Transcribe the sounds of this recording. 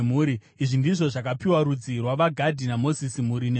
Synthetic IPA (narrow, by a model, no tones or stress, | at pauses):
muːɾi | iʐindiʐo̞ʐakapiwaɾud͡zirwaʋaɡʱadʱinamo̞zisimuɾine